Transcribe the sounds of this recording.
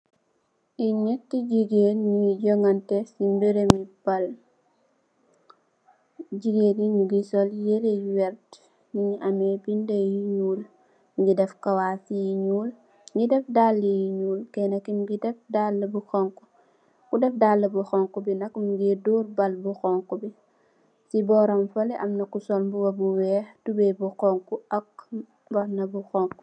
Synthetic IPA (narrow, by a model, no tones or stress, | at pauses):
ʔiɲɛtːiɟiɡeɲuiɟoŋɐntɛsimbɛɾemib̥ɐl | ɟiɡediɲuɡisɔljelewɛɾt | niɲɐmɛbindejiɲuːl | ŋɡidɛfkɐwaːfijiɲuːl | ŋɡidɛfdalːijiɲuːlkɛnɐkimɡidɛfdalːəbuxɔŋku̥ | kudɛfdalːəbuxɔŋkubinɐkɲuɡiduːrbɐlbuxɔŋkubi | sibɔːɾɔmfɐlɛʔɐmnɐkusɔlbuwɐbuwɛːxtubɛbuxɔŋkuʔɐk̚ | bɔɾnɐbuxɔŋku